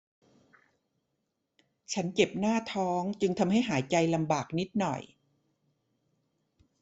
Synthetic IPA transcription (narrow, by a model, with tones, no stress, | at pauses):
t͡ɕʰa˦˥nt͡ɕe˨˩p̚naː˥˩t̪ʰɔː˦˥ŋt͡ɕɯ˧ŋt̪ʰa˧mhɦa˥˩jɦaː˩˦jt͡ɕa˧jla˧mbaː˨˩k̚ni˦˥t̪̚nɔ̰˨˩j